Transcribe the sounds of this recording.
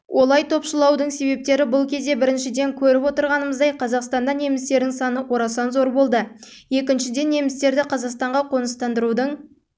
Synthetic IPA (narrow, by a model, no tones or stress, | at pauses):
wʔo̞lˠɑjt̪ʰo̞pʃəlˠɑwd̪əɴse̞be̞p̚t̪e̞ɾɪbʊlˠkʲʰe̞zd̪e̞bɪɾɪnʃɪd̪e̞ŋkʲʰɵɾɪpwo̞t̪əɾʁɑnəməzd̪ɑjqʰɑzɑqst̪ɑnd̪ɑne̞mɪst̪e̞ɾd̪ɪŋsɑnəwʔo̞ɾɑsɑnzo̞ɾbo̞lˠd̪ə | je̞kʲɪnʃɪd̪e̞nːe̞mɪst̪e̞ɾd̪ɪqʰɑzɑqst̪ɑɴʁɑqʰo̞nəst̪ɑnd̪əɾud̪əɴ